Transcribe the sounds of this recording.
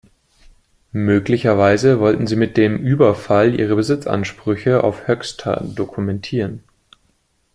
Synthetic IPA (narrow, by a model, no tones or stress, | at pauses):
møːklɪçɐvaɪzəvɔltn̩ziːmɪt̚d̥eːmʔyːbɐfalʔḭːʁəbəzɪt͡sʔa̰nʃpʁ̥ʏçəa̰ʊfhœkstʰɐ̰dokʰumɛntʰiːʁən